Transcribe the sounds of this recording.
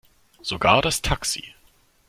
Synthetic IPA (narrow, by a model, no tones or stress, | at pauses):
z̥oɡaːɐɾastʰaksḭ